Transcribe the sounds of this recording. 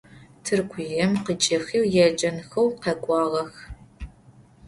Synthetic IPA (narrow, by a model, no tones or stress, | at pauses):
tʰɨrɡʷʰʊjɐmqət͡ʃʼɐxiːwjɛd͡ʒʼɐnxɐwqɐkʷʼɑːʁɐx